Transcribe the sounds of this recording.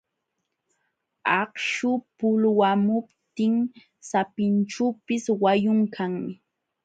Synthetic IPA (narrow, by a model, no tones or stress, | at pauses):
ɑχʃʊpʊlwamʊpt̪ɪŋ | sapɪnʈ͡ʂuːpɪswajʊŋkʰaŋmɪ